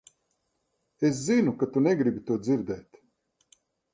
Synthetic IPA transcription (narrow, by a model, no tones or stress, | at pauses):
es̬zinukat̪unɛɡɾibit̪uɔd̪ziɾd̪ɛːt̪